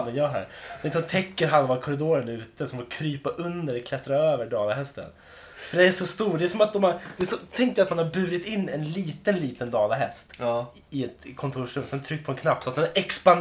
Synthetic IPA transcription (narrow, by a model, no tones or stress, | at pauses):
d̪ɛnjɑːɦæ̰ːɾd̪ɛs̬ɔmt̪ʰɛkːəɾɦalvakʰɔɾɪd̪oːɾənʉ̟ːt̪əsɔmfɔɾkʰɾyːpaʔɵnd̪əɾɛkʰlɛt̪ːɾaøːvəɖɑːlaɦɛst̪ə̰n | fœɖɛnæʂɔst̪uːɖɛæʂɔmat̪̚d̪ɔmad̪̥ɛæʂɔt̪ʰɛŋkt̪əjat̪manhaɾbʉ̟ːɾɪt̪ɪnːɛnliːt̪ənliːt̪ənd̪ɑːlaɦɛst̪ | ɪɛt̪kʰɔnt̪ʰuːʂɾɵmsɛnt̪ʰɾʏk̚t̪pʰɔɛnkʰnapːsɔat̪̚mɛnɛkspan